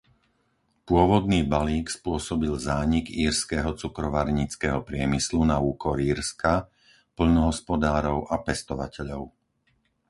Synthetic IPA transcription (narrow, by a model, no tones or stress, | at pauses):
pʊɔʋɔd̪niːbaliːkspʊɔsɔbilzaːɲiɡiːɾskɛɦɔt͡sukɾɔʋaɾɲit͡skɛɦɔpɾɪɛmislunauːkɔɾiːɾska | pl̩nɔɦɔspɔd̪aːɾɔʊʔapɛst̪ɔʋacɛʎɔʊ